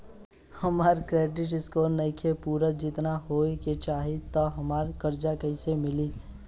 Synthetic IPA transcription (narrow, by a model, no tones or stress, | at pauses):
hɐmaːɾkɾeːɖɪʈɪskoːɾnɐikʰepuːɾəd͡ʒɪt̪naɦoːiket͡ʃaːɦit̪ɔɦɐmaːɾkɐɾd͡ʒakəɪsemɪliː